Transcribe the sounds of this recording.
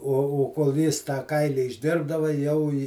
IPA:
oː oː koːlˠ ˈjɪs tɑː ˈkɐɪlʲɪ ɪʒʲˈdʲɪrbdɐʋɐ jɛʊ ɪ

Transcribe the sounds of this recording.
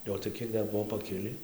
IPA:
ˈjoː oː tɐɪ ˈkʲiɛk ˈdɐr ˈbuɔ pɐˈkʲɪlʲiː

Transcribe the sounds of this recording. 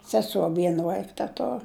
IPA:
sʲɛˈsoː ˈʋʲiɛn ˈʋɐɪk tʲɛˈtoːr

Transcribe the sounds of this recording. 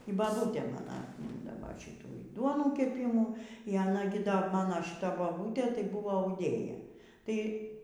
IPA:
iː bɐˈbuːtʲeː ˈmɑːnoː ɐtʲˈmʲiːndɐʋɐ ˈʃʲɪtuː iː ˈduɔnuː kʲɛˈpʲɪmuː iː ɐˈnɐ ɡʲɪ ˈdɐ ˈmɑːnoː ʃʲɪˈtɐ ˈmɑːnoː boːˈbuːtʲeː tɐɪ ˈbʊʋoː ɐʊˈdʲeːjɛ ˈtɐɪ

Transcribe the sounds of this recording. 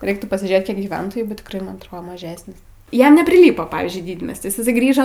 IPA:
ˈrʲɛɪktuː pɐsʲɪˈʒʲeːt ˈkʲiɛk ɡʲiːˈʋʲɛntoːjuː bʲɛt tʲɪkˈrɐɪ mɐn ɐtˈroː mɐˈʒʲæːsʲnʲɪs ˈjɛm nʲɛpʲrʲɪˈlʲiːpoː ˈpɑːʋʲiːzʲd͡ʒʲʊɪ ˈdʲiːdʲmʲiɛsʲtʲɪs ɪˈsɐɪ ˈɡrʲiːʒoː

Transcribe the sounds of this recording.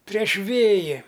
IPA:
pʲrʲiɛʃ ˈʋʲeːjɪ

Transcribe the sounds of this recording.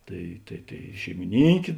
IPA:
ˈtɐɪ tɐɪ tɐɪ ʃʲɛɪmʲɪˈnʲiːŋʲkʲeː

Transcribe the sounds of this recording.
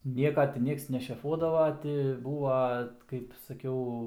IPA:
ˈnʲiɛkɐ tʲɪ ˈnʲiɛks nʲɛʃʲɛˈfuɔdɐʋɐ ˈtʲɪ ˈbuːʋɐ kɐɪp sɐˈkʲɛʊ

